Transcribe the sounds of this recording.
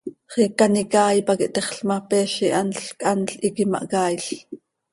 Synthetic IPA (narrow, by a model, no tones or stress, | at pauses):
χikːɑnikɑːjpɑkiʔt̪ɛχɬmɑpɛːʃiʔɑnɬkʼʔɑnɬʔikimɑ̰ʔkɑːjɬ